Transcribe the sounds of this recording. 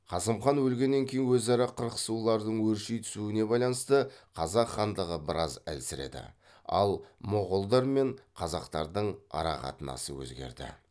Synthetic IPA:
qʰɑsəmχɑnwɵlɡʲe̞nːe̞ŋkʲʰe̞jɪnwɵzɑɾɑqʰəɾqə̥sulˠɑɾd̪əɴwɵɾʃijt̪ʰʏ̥suɪne̞bɑjlˠɑnəst̪əqʰɑzɑqχɑnd̪əʁəbɪɾɑzæ̰lsɪɾe̞̰d̪ɪ̰ | ɑ̰lˠmʊʁʊlˠd̪ɑɾme̞ɴqʰɑzɑqt̪ɑɾd̪əɴɑ̰ɾɑ̰qɑ̰t̪ənɑ̰səwɵ̰zɡʲe̞̰ɾd̪ɪ̰

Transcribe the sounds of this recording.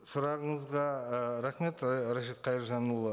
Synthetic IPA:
sʊɾɑʁəɴəzʁɑɾæχme̞t̪ɾɑʃet̪̚qʰɑjəɾʒɑnulˠə

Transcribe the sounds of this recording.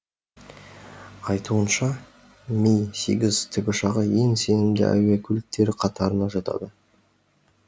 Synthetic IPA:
ɑjt̪uənʃɑ | mʲejse̞ɡʲɪzt̪ʰʏbʲɪʃɑʁəje̞ŋse̞nɪmd̪ɪ̰ʔæ̰wækʲʰɵlɪk̚t̪e̞ɾɪqʰɑt̪ɑɾənɑʒɑt̪ɑ̰d̪ə

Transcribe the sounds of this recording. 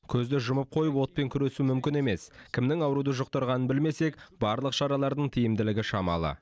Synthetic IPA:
kʲʰɵzd̪ɪʒʊməp̚qʰo̞jəpwo̞t̪̚pe̞ŋkʲʰʏɾe̞sumʏmkʲɪne̞me̞skʲʰɪmnɪŋɑwɾud̪əʒoq̚t̪ɑɾʁɑnənbɪlme̞se̞kbɑɾlˠəqʃɑɾɑlˠɑɾd̪əɴt̪ʰijɪmd̪ɪlɪɡʲɪʃɑmɑ̰lˠə̰

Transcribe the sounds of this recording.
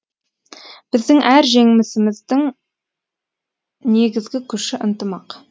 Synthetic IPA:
b̥ɪzd̪ɪŋʔæɾʒe̞ŋɪmɪsɪmɪzd̪ɪŋ | ne̞ɡʲɪzɡʲɪkʲʰʏʃɪʔənt̪əmɑq

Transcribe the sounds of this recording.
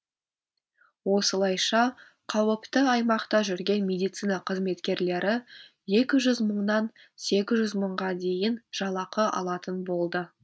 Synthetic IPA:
wo̞səlˠɑjʃɑ | qʰɑwəpt̪əɑjmɑqt̪ɑʒʏɾɡʲe̞nmʲe̞d̪ijt̪sijnɑqʰəzme̞t̪kʲe̞ɾle̞ɾʔɪ | je̞kʲɪʒʏzməɴnɑn | se̞kʲɪzʒʏzməɴʁɑd̪e̞jɪnʒ̥ɑlˠɑqəʔɑ̰lˠɑt̪ənbo̞lˠd̪ə

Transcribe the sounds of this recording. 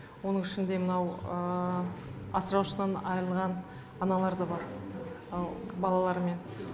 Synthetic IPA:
wo̞nəɴɪʃɪnd̪e̞mənɑwə | ɑsəɾɑwʃənɑnɑjəlˠʁɑn | ɑnɑlˠɑɾd̪əbɑɾ | bɑlˠɑlˠɑɾəme̞n

